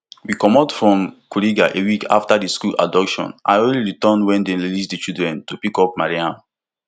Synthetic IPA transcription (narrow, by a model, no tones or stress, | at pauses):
wikɔmɔtfɹɔ̃mkuɹiɡaʔewikaftadiskula̰dɔkʃɔ̰̃nʔa̰ɪõnliɹitɔndwɛ̃ndeɹilisdit͡ʃildɹɛ̃ntupikɔp̚maɹiãm